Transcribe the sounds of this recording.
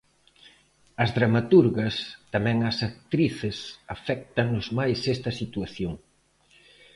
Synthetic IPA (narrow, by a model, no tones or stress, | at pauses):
ɐzðɾamat̪uɾɣɐst̪amɛ̃ŋɐsak̚t̪ɾiθɪsafɛk̚t̪ɐŋnʊzmajsɛst̪ɐsit̪waθjoŋ